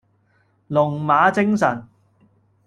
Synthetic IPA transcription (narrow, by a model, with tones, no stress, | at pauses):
lʊ˨˩ŋmaː˨˥t͡sɪ˥ŋsɐ˨˩n